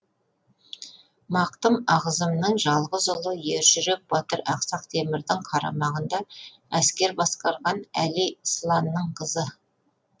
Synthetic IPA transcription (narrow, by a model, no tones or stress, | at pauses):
mɑqt̪əmɑʁəzəmnəɴʒɑlˠʁəzʊlˠəje̞ɾʒʏɾek̚b̥ɑt̪əɾɑqsɑq̚t̪ʰemɪɾd̪ɪŋqʰɑɾɑ̰mɑʁənd̪ɑ | æskʲe̞ɾbɑsqɑɾʁɑnæliəslˠɑnːəɴqʰəzə